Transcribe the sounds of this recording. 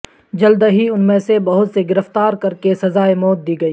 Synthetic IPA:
d͡ʒɐld̪ɦiʊnmẽsebɐɦʊt̪seɡɪɾəft̪aːɾkɐɾkesɐzaːemɔːt̪̚d̪iːɡɐiː

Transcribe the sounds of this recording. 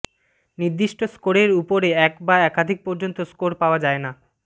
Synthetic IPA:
niɾd̪iʃʈoskoɾeɾupoɾeɛkbaɛkad̪ʱik̚pɔɾd͡ʑont̪oskoɾpaoad͡ʑaena

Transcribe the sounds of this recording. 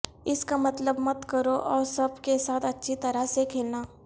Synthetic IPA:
ɪskamɐt̪ləbmɐt̪kɐɾoʔɔːɾsɐbkesaːt̪ʰɐtːʃʰit̪ɐɾasekʰeːlnaː

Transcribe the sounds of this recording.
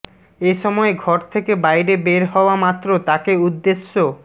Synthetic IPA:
eʃɔmɔeɡʱɔɾt̪ʰekebajɾebeɾɦɔoamat̪ːɾot̪akeud̪ːeʃːo

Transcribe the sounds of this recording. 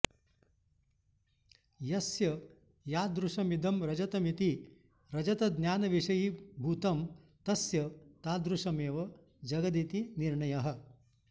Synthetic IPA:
jɐsjɐ | jaːd̪ɾuʂɐmid̪ɐmɾɐd͡ʒɐt̪ɐmit̪i | ɾɐd͡ʒɐt̪ɐd̪nʲjaːnɐʋiʂɐjibʱuːt̪ɐm | t̪ɐsjɐt̪aːd̪ɾuʂɐmeːʋɐ | d͡ʒɐɡɐd̪it̪iniɾɳɐjɐɦɐ̆

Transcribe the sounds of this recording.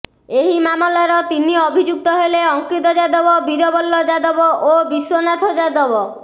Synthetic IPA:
eɦimamɔlaɾɔt̪iniɔbʱid͡ʒuk̚t̪ɔɦeleɔŋkit̪ɔd͡ʒad̪ɔbɔbiɾɔbɔlːɔd͡ʒad̪ɔbɔʔobiswonat̪ʰɔd͡ʒad̪ɔbɔ

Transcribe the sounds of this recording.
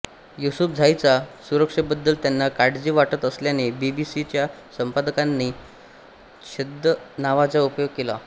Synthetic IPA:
jusupd͡zʱajt͡sasuɾəkʂəbəd̪ːəlt̪janːakaɽd͡ʑiːʋaʈət̪əsljanebibisit͡ɕjasəmpad̪əkanːi | ɕed̪ənaʋat͡saupjoɡ̚kela

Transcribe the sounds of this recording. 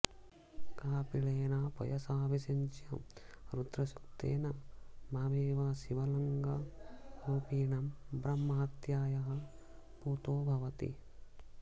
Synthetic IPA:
kaːpiɭeːnaːpɔ̰jɐsaːʋisɐɲt͡ʃjɐmɾud̪ɾɐʃukt̪ḛːnɐmaːʋeːʋaːʃiʋɐlɐŋɡɐɾuːpiːɳɐmbɾɐmːɐɦɐt̪jaːjɐɦɐ̆ | puːt̪oːbʱɐʋɐt̪ḭ

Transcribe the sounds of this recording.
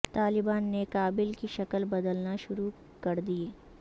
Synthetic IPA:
t̪aːlɪbaːnːekaːbɪlkiʃɐkəlbɐd̪əlnaʃʊɾu | kɐɾd̪ie

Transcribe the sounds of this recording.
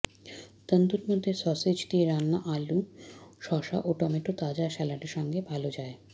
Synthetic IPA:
t̪ənd̪uɾmod̪ʱːesɔsed͡ʑt̪ieɾanːaʔaluʃɔʃa̰ʔoʈɔmeʈot̪ad͡ʑaʃɛlaʈeɾʃɔŋɡebʱalod͡ʑae

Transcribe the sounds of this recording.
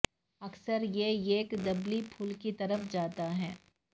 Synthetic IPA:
ɐksəɾjejeːkd̪ɐblipʰuːlkit̪ɐɾəfd͡ʒaːt̪aɦɛː

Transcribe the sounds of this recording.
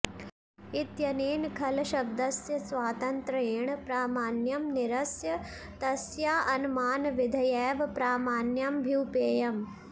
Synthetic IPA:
it̪jɐneːnkʰɐlɐʃɐb̚d̪ɐsjɐsʋaːt̪ɐnt̪ɾɐeːɳpɾaːmaːnjɐmnɪɾɐsjɐ | t̪ɐsjaːʔɐnmaːnʋɪd̪ʱɐjɛːʋpɾaːmaːnjɐmbʱiwpeːjɐm

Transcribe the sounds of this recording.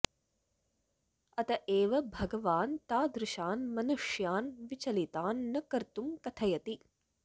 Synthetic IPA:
ɐt̪ɐʔeːʋɐbʱɐɡɐʋaːnt̪aːd̪ɾɪʃaːnmɐnuʂjaːnʋit͡ʃɐlit̪aːnːɐkɐɾt̪umkɐt̪ʰɐjɐt̪i

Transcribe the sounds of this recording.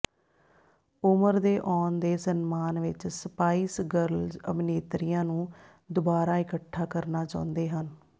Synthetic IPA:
ʊməɾd̪eːʔɔːnd̪eːsənmaːnʋɪt͡ʃsəpaːiːsɡəɾlzə̰bneːt̪ɾijãːnũː | d̪ʊbaːɾaːɪkəʈʰːaːkəɾnaːt͡ʃã̰ːnd̪eːɦən

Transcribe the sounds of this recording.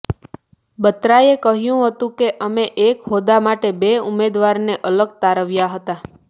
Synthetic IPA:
bət̪ɾaekəɦjũɦət̪ũkeʔəmeʔekɦod̪amaʈebeumed̪ʋaɾneʔələɡ̚t̪aɾəʋjaɦət̪a

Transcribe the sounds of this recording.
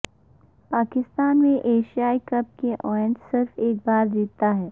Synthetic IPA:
paːkɪst̪aːnmẽʔeːʃijaːikɐp̚keʔɔːjə̃ntsɪɾfeːk̚baːɾd̪iːt̪aɦɛː

